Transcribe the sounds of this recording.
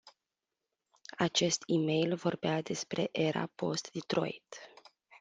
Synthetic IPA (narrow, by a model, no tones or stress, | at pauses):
at͡ʃe̞st̪ime̞jlvo̞rbead̪e̞spɾe̞ʔe̞ɾʔa̰po̞̰st̪d̪it̪ɾo̞̰jt̪